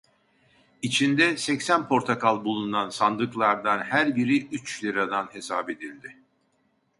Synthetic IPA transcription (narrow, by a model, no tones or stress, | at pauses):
it͡ʃʰind̪ɛsɛcsænpʰo̞ɾt̪ʰakʰalˠbulˠunansand̪ɯklˠaɾd̪anhæɾbiɾiʔyt͡ʃlʲiɾad̪anhe̞saːbe̞d̪ilʲd̪ɪ